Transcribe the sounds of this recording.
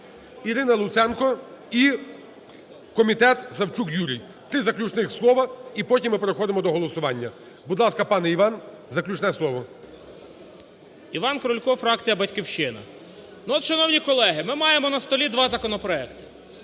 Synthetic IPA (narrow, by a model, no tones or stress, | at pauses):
iɾɪnɐlˠʊt̪sɛnkɔi | kɔmʲit̪ɛt̪zɐwt͡ʃukjuɾʲij | t̪ɾɪzɐklʲut͡ʃnɪxslˠɔʋɐipɔtʲimːɪpɾɔxɔd̪emɔd̪ɔɦɔlˠɔsʊʋɑnʲːɐ | bud̪lˠɑskɐpɑnɛiʋɑn | zɐklʲut͡ʃnɛslˠɔʋɔ | iʋɑnkɾʊlʲkɔfɾɑkt͡sʲijɐbɐtʲkʲiwʃɪnɐ̰ | nuɔt̪ʃɐnɔwnʲikɔlˠɛɦɪmɪmɑjemɔnɐst̪ɔlʲid̪ʋɑzɐkɔnɔpɾɔɛkt̪ɪ̥